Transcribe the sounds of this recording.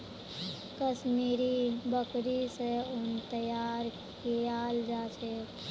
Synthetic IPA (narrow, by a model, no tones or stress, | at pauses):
kəʃmiːɾibəkɾiseʊnt̪əjaːɾ | kijaːld͡ʒaːt͡ʃʰeː